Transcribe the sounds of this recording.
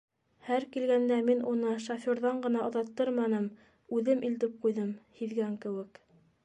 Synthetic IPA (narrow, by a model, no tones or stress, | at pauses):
hæɾkilɡænd̪æminʔunɤʃofʲoɾðɑɴɢɤ̆nɑŏðɑt̪ːɤɾmɑnɤm | ʉðɘmʔilt̪ɘp̚qujðɤmhiðɡæŋkɘ̆wɘ̆k